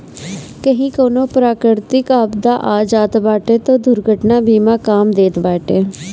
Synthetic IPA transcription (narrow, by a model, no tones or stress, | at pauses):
kəɦĩːkoːnõːpɾaːkɾɪɾt̪ɪkapd̪aːʔaːd͡ʒaːt̪baːʈeːt̪õːd̪ʊɾɡʱəʈnaːbiːmãːkaːmd̪eːt̪baːʈeː